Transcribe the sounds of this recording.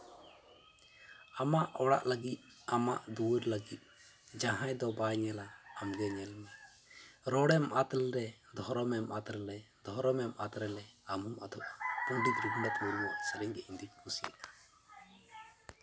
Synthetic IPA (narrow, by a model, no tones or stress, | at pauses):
amaʔɔɽa̰ʔləɡit̪̚ | ama̰ʔd̪uwɾləɡit̪̚ˀ | d͡ʒãɦãjd̪ɔbajɲɛlaːmɡɛɲɛlmɛ | ɾɔɽɛmʔat̪lɾɛd̪ʱɔɾɔmɛmʔat̪ɾlɾɛ | d̪ʱɔɾɔmɛmʔat̪ɾɛlɛamumad̪ɔʔapuɳɖit̪ɾuɡnat̪muɾumɔʔsəɾiŋɡɛʔind̪ik̚kusia̰ʔḁ